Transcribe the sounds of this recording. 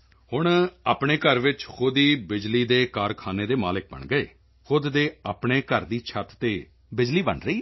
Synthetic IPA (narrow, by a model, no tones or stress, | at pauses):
hʊɳaːpɳeːkəɾʋɪt͡ʃxʰʊd̪iːbɪd͡ʒliːd̪eːkaːɾkʰaːneːd̪eːmaːlɪk̚bə̰ɳɡəḛː | xʊd̪d̪eːaːpɳeːkəɾd̪iːt͡ʃʰət̪t̪eː | bɪd͡ʒliːbə̰ɳɾəiː